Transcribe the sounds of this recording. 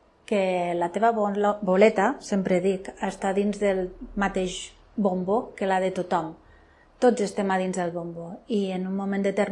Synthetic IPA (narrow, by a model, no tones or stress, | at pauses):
kelat̪eβabolet̪asempɾeðikaest̪aðinzðəlmat̪eʃ | bombokelaðet̪ot̪ɔm | t̪od͡zest̪emað̞inzðelˠβomboienunmomẽnd̪et̪eɾ